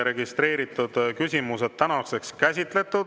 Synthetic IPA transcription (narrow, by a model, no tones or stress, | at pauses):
ɾe̞ɡist̪ɾe̞ːɾit̪ːˑud̪̥kysʲimuse̞d̪̚t̪ːænɑse̞kskæsʲit̪ˑle̞t̪ːˑud̪̥